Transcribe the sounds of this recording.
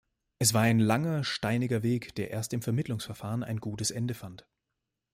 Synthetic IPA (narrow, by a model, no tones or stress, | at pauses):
ʔɛsv̥aːɐaɪnlaŋɐʃtaɪnɪɡɐveːkd̥eːɐʔeːɐstɪmfɛɐmɪtlʊŋsfɛɐfaːʁəna̰ɪnɡuːtəsʔɛndəfant